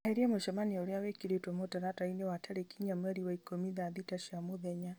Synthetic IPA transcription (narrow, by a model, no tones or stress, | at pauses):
aɛɾiamɔʃamaniaɔɾjawɛkiɾetɔmɔtaɾatainɛwatʰaɾɛkiɲamwɛɾiwaikɔmiðaðitaʃamɔðɛɲa